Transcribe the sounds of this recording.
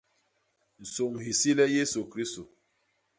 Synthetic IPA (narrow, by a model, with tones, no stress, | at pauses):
n̩˨so˨ŋhi˨si˦lɛ˦je˦su˨kɾi˦sto˨